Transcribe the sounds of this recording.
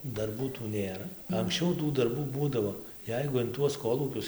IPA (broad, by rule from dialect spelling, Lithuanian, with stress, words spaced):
dɐrˈbuː tuː ˈnʲeːrɐ ɐŋksʲˈt͡ʃʲɛʊ tuː dɐrˈbuː ˈbuːdɐʋoː ˈjɛɪɡʊ ɪn ˈtuɔs ˈkoːlˠuːkʲʊs